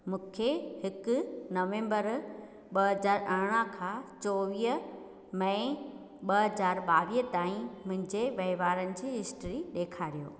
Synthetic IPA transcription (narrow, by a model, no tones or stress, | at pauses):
mũːkʰehɪkʊ̆nɐʋẽːmbəɾ | ɓɐɦɐzaːɾɐɾɽ̃əkʰãːt͡ɕɔːʋiːɦə | mɐ̃ | ɓɐɦɐzaːɾɓaːʋiːət̪aːĩmʊ̃ɦɪ̃ɲd͡ʑeʋɐɪʋaːɾənɪ̆d͡ʑiːɦɪsʈɾiɗeːkʰaːɾijo̰ː